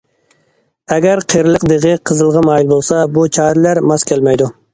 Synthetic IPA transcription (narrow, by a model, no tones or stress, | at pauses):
ɛɡʲɛɾqʰeɾɪlˠəqd̪eʁɨqʰəzɨlˠʁɑmɑːjilbolˠsɑbut͡ʃʰɑːɾɪlæɾmɑskʲælmɛjd̪u